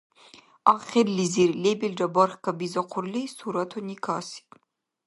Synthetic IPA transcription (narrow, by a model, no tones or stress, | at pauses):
aːχʲirliziɾlebeld͡ʒɐbarχʲkʰɐbizɐqʷʰʊrlisuːɾɐtʰonikʰaːsi̥tʼ